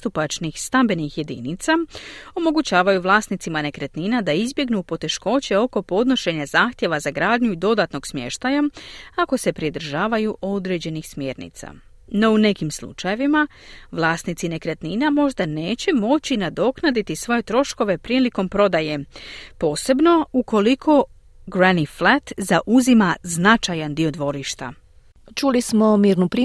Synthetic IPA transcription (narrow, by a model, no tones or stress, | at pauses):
t̪upat͡ʃnixst̪ambe̞nixje̞d̪ḭnit̪sao̞mo̞ɡut͡ɕaːʋajuʋlˠaːsnit̪simane̞kɾet̪ninad̪aizbje̞ɡnupo̞t̪e̞ʃko̞t͡ɕe̞o̞ko̞po̞d̪no̞ʃe̞ɲazaːxt̪ʲje̞ʋazaɡɾaːd̪ɲuid̪o̞d̪at̪no̞ɡsmje̞̰ʃt̪ajaako̞se̞pɾid̪ɾ̩ʒaːʋajuʔo̞d̪ɾe̞ːd͡ʑe̞nixsmje̞ːɾnḭt̪sa̰ | no̞une̞kimslˠṵt͡ʃaje̞ʋima | ʋlˠaːst̪nit̪sine̞kɾet̪ninamo̞ʒd̪ane̞ːt͡ɕe̞mo̞t͡ɕinad̪o̞knad̪it̪isʋo̞je̞t̪ɾo̞ʃko̞ʋe̞pɾiːliko̞mpɾo̞d̪aje̞po̞ːse̞bno̞uko̞likʰo̞ | ɡɾaniflat̪zaʔuzimaznat͡ʃajand̪io̞d̪ʋo̞ɾiʃt̪a̰ | t͡ʃulismo̞miːɾnupɾi